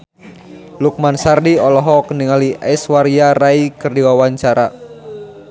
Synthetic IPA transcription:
luk̚mansardiɔlɔɦɔkəniŋaliʔɛswaɾiaraikɨrdiwawaɲt͡ʃaɾa

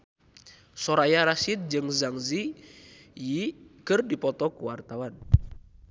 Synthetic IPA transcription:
sɔɾajaɾasit̪̚d͡ʒɨŋzaŋzi | jikɨrdipɔt̪ɔkuwart̪awan

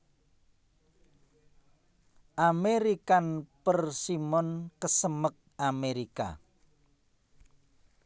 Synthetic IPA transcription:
ʔameɾikanpərsimɔnkəsəmək̚ameɾika̰

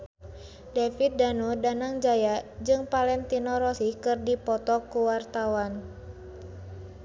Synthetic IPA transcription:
dɛfit̪̚danudanaŋd͡ʒajad͡ʒɨŋpalɛnt̪inɔɾɔsikɨrdipɔt̪ɔkuwart̪awan

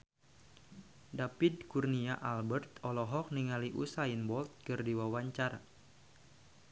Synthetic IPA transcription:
dapid̚kurniaʔalbərt̪ɔlɔɦɔk̚niŋaliʔṵsainbɔlt̪̚kɨrdiwawaɲt͡ʃaɾa

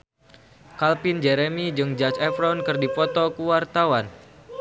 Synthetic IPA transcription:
kalpind͡ʒɛɾemid͡ʒɨŋd͡ʒat͡ʃɛfɾɔnkɨrdipɔt̪ɔkuwart̪awan

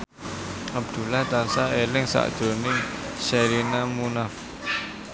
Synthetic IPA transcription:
ab̚d̪̥ṳlat̪ansaʔelɪŋsa̰ʔd͡ʒ̥onɪŋʃɛɾinamunaf

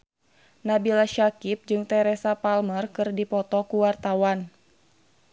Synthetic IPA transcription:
nabilaʃakip̚d͡ʒɨŋt̪ɛɾɛsapalmərkɨrdipɔt̪ɔkuwart̪awan

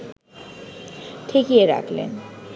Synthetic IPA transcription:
ʈʰekieɾa̰kʰlḛn

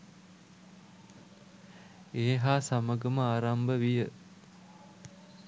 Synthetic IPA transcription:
eɦaːsaməɡəməaːɾambəʋijə

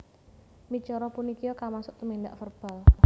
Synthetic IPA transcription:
mi̥t͡ʃɔɾɔpunikijɔkamasʊ̥ʔt̪əmind̪aʔfərb̥ä̤l

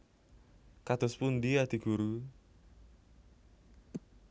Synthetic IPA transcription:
kat̪ʊspʊnd̪iad̪̥i̤ɡ̥uɾu

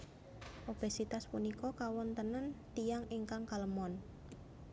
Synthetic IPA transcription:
ʔob̥e̤sit̪aspunikɔkawɔnt̪ənənt̪ijaŋeŋkaŋkaləmɔn

